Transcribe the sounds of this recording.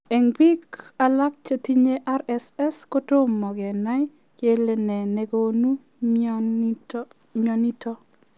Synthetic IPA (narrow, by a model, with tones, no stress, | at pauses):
e˨ŋbi˦ka˨la˦k̚t͡ʃa˨ti˦ɲe˦ʔa˦ɾɛ˦sɛ˦sko˦to˦mɔ˨ɡɛ˨na˦j | ke˦le˨nɛ˨ne˨ɡo˦nu˦ | mɔ˨ni˦tʰɔ˦